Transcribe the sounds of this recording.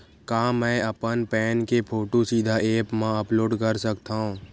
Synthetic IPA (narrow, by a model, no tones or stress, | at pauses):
kaːmɛ̃ːɐpənpɛːnkepʰoːʈosiːd̪ʱaʔeːpmãɐploːɖkəɾsəkt̪aɦũː